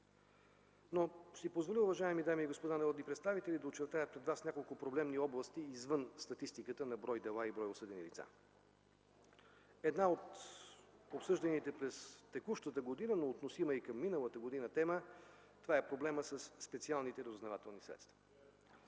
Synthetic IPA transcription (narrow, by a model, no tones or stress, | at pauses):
nosipozvoliʊvɐʒaɛmid̪amiːɡospod̪anɐɾɔd̪nipɾɛt̪st̪avit̪ɛlid̪ɐot͡ʃɛɾt̪ajət̪̚pɾɛd̪vasnʲakolˠkʊpɾoblɛmniɔblˠəst̪iːzvɤnst̪ɐt̪ist̪ikət̪ənɐbɾɔjd̪ɛlˠaibɾɔjosɤd̪ɛnilit̪sa̰ | ɛd̪naot̪ | opsɤʒd̪ɐnit̪ɛpɾɛst̪ɛkuʃt̪ət̪əɡod̪inənoːt̪nosiməikəmːinəlˠət̪əɡod̪inət̪ɛmə | t̪ovaɛpɾoblɛməsəsːpɛt̪sialˠnit̪ɛɾəzʊznɐvat̪ɛlˠnisɾɛ̰t̪st̪və̥